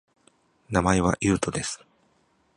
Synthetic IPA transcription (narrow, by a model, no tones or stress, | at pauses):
namae̞βaʔjɯːt̪o̞d̪e̞sɨ̥